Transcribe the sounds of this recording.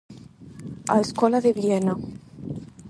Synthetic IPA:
a̰eskolaðeβjena

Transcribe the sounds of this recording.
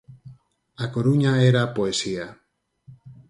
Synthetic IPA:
akoɾuɲaeɾapoesia

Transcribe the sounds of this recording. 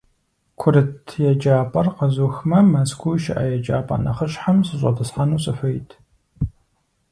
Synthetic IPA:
kʷʰʊɾɨtʰjɛd͡ʒaːpʼɐrqɐzuxmɐmɐskʷʰuʃɪ̰ʔɐ̰jɛd͡ʒa̰ːpʼa̰ːnɐ̰χəɕħamsɨɕʷʼɐtʰɨsħanuːɕʼɨfɐjtʰ

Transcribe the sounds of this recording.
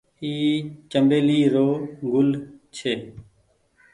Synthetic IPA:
iːt͡ʃəmbeːliːɾoːɡʊlt͡ʃʰeː

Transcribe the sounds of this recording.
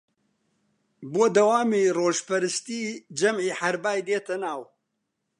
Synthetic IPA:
boːd̪ɐwaːmiːroːʒpɐɾɨst̪iːd͡ʒɐmʕiːħɐɾbaːjd̪eːt̪ʰɐnaːw

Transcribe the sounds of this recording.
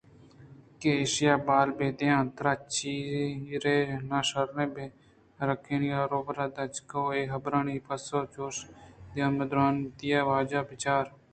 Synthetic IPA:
keeːʃɪjaːbaːlbeːd̪eãːt̪ɾaːt͡ʃiːɾeːnaːʃəɾnẽːbeː | ɾəkʰːeːnaːɾoːbɾaːd̪əd͡ʒkooeːɦəbɾaːniːpəsoːt͡ʃoːʃd̪eãːməd̪ɾaːnt̪ɪjaːʋaːd͡ʒaːbɪt͡ʃaːɾ

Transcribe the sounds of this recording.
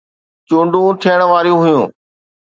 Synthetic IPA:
t͡ɕũːɳɖũt̪ʰijəɽ̃ʋaːɾijũɦʊjũː

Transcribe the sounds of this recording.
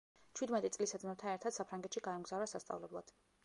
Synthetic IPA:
t͡ʃʰwid̪mɛt̪ʼit̪sʼlisad̪zmɛt̪ʰaɛɾt̪ʰad̪̥sapʰɾaŋɡɛt̪ʃiɡaɛmɡzavɾasast̪sʼa̰vlɛblˠad̪̥

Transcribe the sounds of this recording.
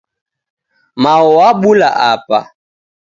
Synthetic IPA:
maɔwaɓula̰ʔapa̰

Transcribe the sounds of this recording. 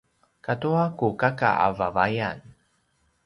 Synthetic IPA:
katuakukaka̰a̰vavajan

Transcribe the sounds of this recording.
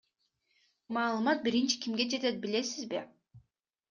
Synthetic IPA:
mɑːlˠɯmɑt̪̚biɾint͡ʃi̥kʲimɡe̞d͡ʒe̞t̪et̪̚bile̞sizbi

